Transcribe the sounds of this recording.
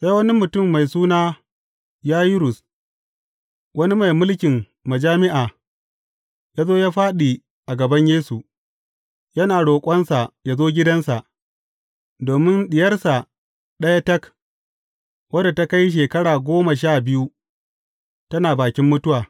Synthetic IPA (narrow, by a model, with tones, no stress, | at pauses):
sa˦jwɐ˦ni˦mʊ˨tʊ˦˨mːa˨jsuː˦naː˦ | jaː˦ji˦ɾʊ˨s | wɐ˦ni˦ma˨jmʊ˦lkʲɪ˨m | mɐ˨d͡ʒaː˦mɪ˦ʔaː˨ | jaː˦zoː˦jaː˦ɸaː˦ɗiː˨ | ʔa˨ɡɐ˨bɐ˦ɲjeː˦su˨ | jɐ˦naː˨ɽoː˨kʷʼɐ˦nsa˨ja˦zoː˦ɡʲɪ˦dɐ˦nsa˨ʔ | doː˨mɪ˦nɗɪ˨jɐ˦rsa˨ | ɗɐ˦ja˦tɐ˦k | wɐ˦da˨ta˦ka˦ji˦ʃ̬eː˨kɐ˦ɽaː˨ɡʷoː˦ma˨ʃ̬aː˦˨bɪ˦ju˦ | tɐ˦naː˨baː˨kʲɪ˦mːʊ˦tʊ˦waː˨